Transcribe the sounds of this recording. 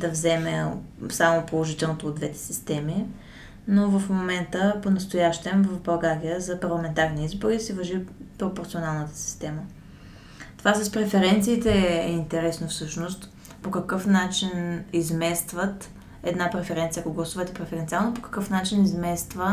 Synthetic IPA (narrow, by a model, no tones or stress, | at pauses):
d̪ɐvzɛmɛsamopolˠoʒit̪ɛlˠnot̪oːd̪d̪vɛt̪ɛ̥sist̪ɛmi | novəfmomɛnt̪əponɐst̪ʊjaʃt̪ɛmvəvbɐlˠɡaɾijəzɐpɐɾlˠɐmɛnt̪aɾniizboɾisivɐʒipɾopoɾt̪sionalˠnət̪ə̥si̥st̪ɛmə | t̪ovasɐspɾɛfɛɾɛnt̪siːt̪ɛɛint̪ɛɾɛsnofsɤʃnost̪ | pokɐkɤfnat͡ʃinizmɛst̪vət̪ | ɛd̪napɾɛfɛɾɛnt̪sijəkoɡlˠɐsuvət̪ɛpɾɛfɛɾɛnt̪sialˠnopokɐ̥kɤfnat͡ʃinizmɛst̪və